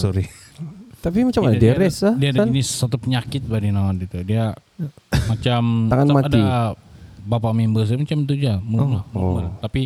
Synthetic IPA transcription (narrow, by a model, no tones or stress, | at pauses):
soɾi | t̪apimat͡ʃamaadeɾɛsadiadanisat̪upəɲakɪt̪̚badinaanɡit̪udia | mat͡ʃamaŋat̪maad̪i | bapaʔmimbəs̬mat͡ʃamt̪̬ud͡ʒaməmammərt̪api